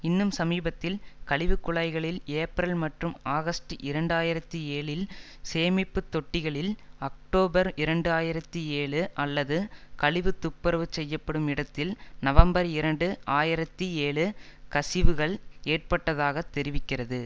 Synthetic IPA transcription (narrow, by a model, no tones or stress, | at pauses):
ɪnːɯmsɐmiːbɐt̪ːɪlkɐɭɪʋɯkːʊɭɐɪɣɐɭɪleːpɾɐlmɐʈrɯmaːɣɐsʈɯʔɪɾɐɳɖaːjɪɾɐt̪ːieːɭɪl | seːmɪpːɯt̪ːɔʈːɪɣɐɭɪlɐk̚ʈoːbɐɾɪɾɐɳɖɯaːjɪɾɐt̪ːieːɭɯʔɐlːɐðɯkɐɭɪʋɯt̪ːʊpːɐɾɐʋɯt͡ʃɛjːɐpːɐɽɯmɪɽɐt̪ːɪlnɐʋɐmbɐɾɪɾɐɳɖɯaːjɪɾɐt̪ːieːɭɯkɐsɪʋɯɣɐɭeːrpɐʈːɐðaːɣɐt̪ːɛɾɪʋɪkːɪrɐðɯ